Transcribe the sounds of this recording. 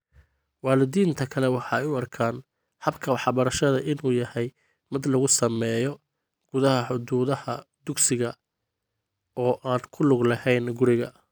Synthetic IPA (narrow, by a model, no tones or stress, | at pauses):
wɑːlɪðiːnt̪ʰɐkʰɐlɛwɑħɑːɛjʊɐrkʰaːn | hɐbkʰɐwɑħbɐɾɐʃɐðɐʔɪnuːjɐhɛj | mɪd̪lɐɣʊsɐmɛːjɔ | ɡ̥ʊðɐhɐħʊd̪uːðɐhɐd̪ʊɡsɪɣɐ | ɔːʔaːnkʰʊlʊɡlɐhɛjnɡʊɾɪɣɐ